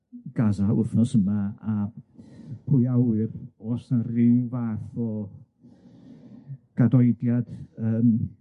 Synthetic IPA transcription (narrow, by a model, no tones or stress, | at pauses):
ɡ̥azaʊ̰θnɔsəmaa | pʰʊjawɨrɔsnarivaθɔ | ɡ̥adɔɨdjad̥əːm